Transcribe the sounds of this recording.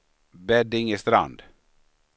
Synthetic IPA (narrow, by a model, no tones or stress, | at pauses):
bɛd̪ɪŋist̪ɾa̰nd̪